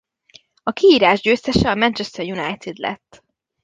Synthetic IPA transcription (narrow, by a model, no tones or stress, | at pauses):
ɒkiiːɾaːʒɟøːst̪ɛʃɛɒmɛnt͡ʃɛst̪ɛrjunajt̪id̪lɛ̰t̪ː